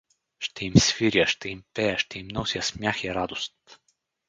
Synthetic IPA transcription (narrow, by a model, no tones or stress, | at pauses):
ʃt̪ɛimsviɾjəʃt̪ɛimpɛjəʃt̪ɛimnɔsʲjɐsmjaxiɾad̪ost̪